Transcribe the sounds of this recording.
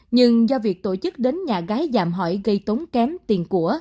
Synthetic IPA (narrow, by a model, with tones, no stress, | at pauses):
ɲɨ˧ŋzɔ˧vi˨˩ək̚t̪o˧˩t͡ɕɨ˦˥k̚ɗe˨˦nɲaː˨˩ɣaː˨˦jzaː˨˩mɦɔ̰˧˩jɣə˧jt̪o˨˦wnkɛ˨˦mt̪i˨˩ənku˧˩ə